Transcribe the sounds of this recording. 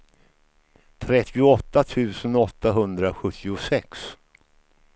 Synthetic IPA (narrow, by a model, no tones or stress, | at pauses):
t̪ʰɾɛt̪ʰːɪʊɔt̪ːat̪ʰʉ̟ːsənɔt̪ːaɦɵnd̪ɾaɧɵt̪ʰːɪʊsɛks